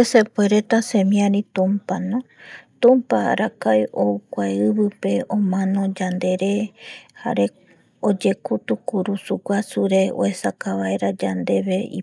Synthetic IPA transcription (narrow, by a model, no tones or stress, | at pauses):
esepoeɾe̞t̪asẽ̞mĩãɾit̪ũmpanõ | t̪ũmpa̰ɾakajoukʷaeɨβɨpe̞õmãnõ̞d͡ʒand̪e̞ɾe̞ha̰ɾe̞ | od͡ʒe̞kut̪ukuɾusuɡʷasuɾe̞o̰esakaβae̞ɾad͡ʒand̪e̞βe̞ḭ